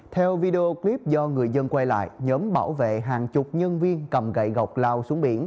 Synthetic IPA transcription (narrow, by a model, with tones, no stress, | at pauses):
t̪ʰɛ˧wvi˧ɗe˧ʔo˧kli˦˥p̚zɔ˧ŋɨ˨˩əjzə˧nkwa˧jla̰ː˧˨jɲəː˨˦mɓaː˧˩wvḛ˧˨ɦaː˨˩nt͡ɕʊ˨˩k͡p̚ɲə˧nvi˧ənkə˨˩mɣə̰˧˨jɣə˨˩wk͡p̚laː˧wsu˨˦əŋɓi˧˩ən